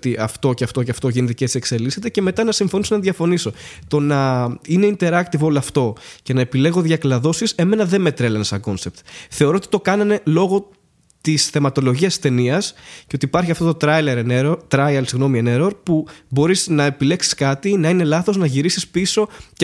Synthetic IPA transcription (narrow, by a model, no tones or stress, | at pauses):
t̪iʔɐft̪o̞ceɐft̪o̞ceɐft̪o̞ʝiniðicet̪ise̞kse̞lise̞t̪ece̞me̞t̪ɐnɐsiɱfo̞nisonɐðʝɐfo̞niso̞t̪o̞nɐine̞int̪e̞ɾɐk̚t̪ivooloɐft̪o̞ce̞nɐepile̞ɣo̞ðʝɐklɐðo̞sise̞me̞nɐðeme̞t̪ɾelɐnesɐ̰ɡo̞nse̞p̚t̪θe̞o̞ɾo̞ot̪i̥t̪o̞kɐnɐne̞lo̞ɣo̞ | t̪isθe̞mɐt̪o̞lo̞ʝiɐst̪e̞niɐsceo̞t̪ipɐɾçiɐft̪ot̪ot̪ɾɐjleɾenɾot̪ɾɐjɐlsiɣno̞mieneɾoɾpubo̞ɾiznɐe̞pile̞ksi̥skɐt̪inɐine̞lɐθo̞znɐʝiɾisispiso̞